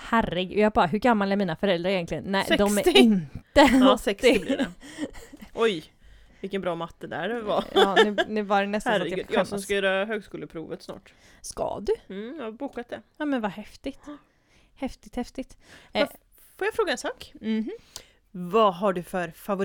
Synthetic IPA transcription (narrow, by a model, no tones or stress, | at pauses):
hærɪɡɔjɑːɡbɑːɾaɦɵɾɡamːalɛɾmiːnafœɾɛld̪ɾaɾɪjɛnt̪lɪɡənːɛɪd̪ɔmæɾɪnt̪əsɛksɪl̰ | ʔɔj | vɪlkːənbɾɑːmat̪ːəd̪æ̰ɖva̰ʉnʉ̟ːvaɖɛnɛst̪ajjɔɔmskaœːɾaɦøːɡskuːləpʰɾuːvət̪snɑ̰ːʈ | skɑ̰d̪ɵjabuːkat̪̚d̪ɛɑːmɛnvahɛft̪ɪɡt̪ | hɛft̪ɪɡt̪hɛft̪ɪɡt̪ː | foːjafɾoːɡaɛnsɑːkm̩ | vaɦaɖɵfœɾfavʊ